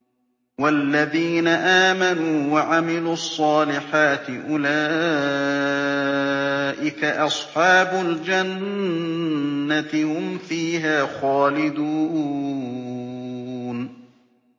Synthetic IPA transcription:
walːaðiːnaʔaːmanuːwaʕamɪluːɑsˤːɑːlɪħaːt̪ɪʔʊlaː | ʔɪkaʔɑsˤħɑːbʊld͡ʒan | at̪ɪhʊmfiːɦaːxaːlɪd̪uː | n

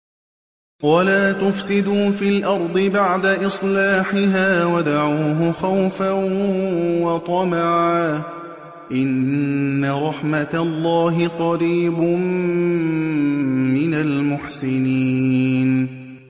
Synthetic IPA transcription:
walaːt̪ʊfsɪd̪uːfiːlʔɑɾˤd̪ˤɨbaʕd̪aʔɨsˤlaːħɪɦaːwad̪aʕuːɦʊxawfan | wɑt̪ˤɑmaʕaː | ʔɪnː | aɾˤɑħmat̪alˤːɑːɦɪqɑɾiːbm | mɪnalmʊħsɪniːn

